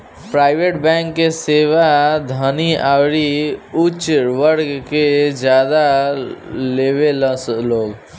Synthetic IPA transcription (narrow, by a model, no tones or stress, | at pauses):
pɾaːɪʋeːʈbɛ̃ːŋkːeseːʋad̪ʱəniaːwɾiut͡ʃɾʋəɾɡked͡ʒjaːd̪a | leːʋeləsloːɡ